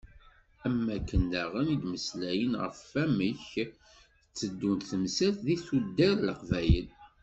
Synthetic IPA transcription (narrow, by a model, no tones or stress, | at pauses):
æmːækːənd̪æʁənid̪məslæjənʁə̰fæməç | ət͡sːəd̪ːunt̪θəmsæθðiθud̪ːæɾləqvæjə̰l